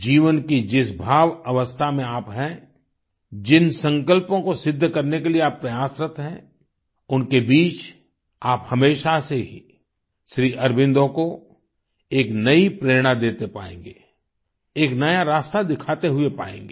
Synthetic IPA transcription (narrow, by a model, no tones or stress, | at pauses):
d͡ʒiːʋənkid͡ʒɪsbʱaːʋɐʋəst̪ʰamẽaːpɦɛ̃ | d͡ʒɪnsə̃ŋkəlpõkosɪd̪ʱːkɐɾnekelieaːpːɾɐjaːsɾət̪ɦɛ̃ | ʊnkebiːt͡ʃ | aːphɐmeːʃaseɦi | ʃɾiːʔɐɾbɪ̃nd̪õko | eːknɐipɾeːɾɽ̃ad̪eːt̪epa̰ːḛ̃ːŋɡeː | eːknɐjaɾaːst̪ad̪ɪkʰaːt̪eɦʊepaːḛ̃ːŋ̆ɡeː